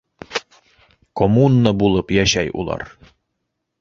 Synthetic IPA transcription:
komunːəbulˠɤpjæɕæjṵlˠɑ̰ɾ

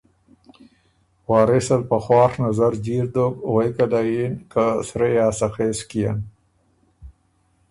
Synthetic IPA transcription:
wɑːɾesalpaxwɑːɾnazaɾd͡ʒiɾd̪okwejkad̪ajinkasɾejaːsaxeːskija̰n

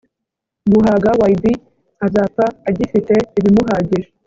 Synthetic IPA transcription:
muɦaɡawajbi | azaːpaːɟifite̞iβimuɦaːɟiɾe

